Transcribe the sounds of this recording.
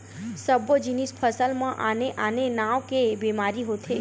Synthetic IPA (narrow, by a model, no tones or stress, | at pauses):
səbəd͡ʒinispʰəsəlmãʔaneʔanenãʋkebimaɾiɦot̪ʰe